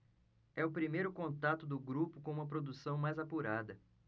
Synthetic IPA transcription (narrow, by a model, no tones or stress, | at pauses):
ɛʊpɾimejɾʊkõnt̪at̪ʊd̪ʊɡɾupʊkõũmɐpɾod̪usɐ̃w̃majzapuɾad̪ɐ